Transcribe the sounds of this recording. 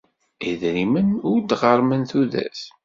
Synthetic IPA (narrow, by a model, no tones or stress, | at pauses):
iðɾimənʊɾd̪ʁəɾˤmənθuðæ̰s